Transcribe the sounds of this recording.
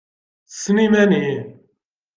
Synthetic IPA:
sənimæni

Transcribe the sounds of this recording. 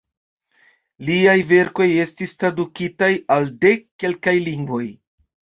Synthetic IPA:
liajve̞ɾko̞je̞stistɾadukitajalde̞kkːe̞lkajliŋɡvo̞j

